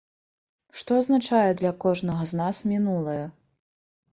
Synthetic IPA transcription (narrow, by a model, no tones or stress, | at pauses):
ʂt̪ɔɐznat͡ʂajɛd̪lʲɐkɔʐnɐɣɐznasmʲinulˠɐjɛ